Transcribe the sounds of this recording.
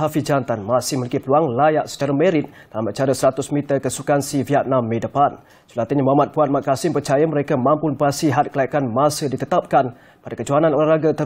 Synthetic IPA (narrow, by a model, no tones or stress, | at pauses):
ɦafid͡ʒant̪anmasɪhməlikipəluaŋlajaʔsə̥t͡ʃaɾameɾɪt̪̚ | d̥alamət͡ʃaɾəsəɾat̪ʊsmit̪əkəsukansiviat̪̚nãmːẽdəpan | sulat̪iɲəmamat̪̚puat̪̚maʔ̚kasɪmpərt͡ʃajaməɾekamãmpʊnbasiɦat̪̚kəlaikanmasədit̪ət̪ap̚kan | padakəd͡ʒuananolaɾaɡat̪ə